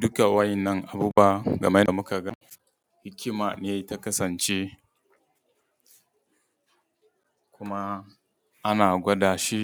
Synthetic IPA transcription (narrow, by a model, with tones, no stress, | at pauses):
dʊ˦ka˨wa˦jɪ˨nːɐ˦ŋʔa˨buː˦ba˦ɡɐ̰˨ma˦na˨mʊ˦ka˨ɡa˦ | hɪ˦kʲɪ˦maː˨neː˨ta˦kɐ˦sɐ˨nt͡ʃeː˦ | kʷʊ˦ma˦ | ʔa˦naː˨ɡʷɐ˦daː˨ʃi˦